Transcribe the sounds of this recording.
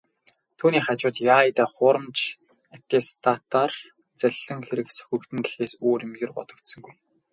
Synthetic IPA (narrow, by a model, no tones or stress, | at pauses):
t̪ʰuːniːχat͡ɕʊːt̪jaːit̪aːχʊɾə̆mt͡ɕ | æt̪ːeːst̪ʰat̪aːr | t͡sæɮə̆ŋxeɾɘ̆ksɵ̥xʲɵ̆kt̪ʰɘ̆ŋɡe̥xeːsoːɾĭmjɪ̆rpɔ̰t̪ɞ̆kt̪sɵ̆ŋɡuj